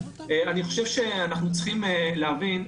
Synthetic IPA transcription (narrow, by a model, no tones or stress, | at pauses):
eaniχo̞ʃevʃeanaχnut͡sχimeleavin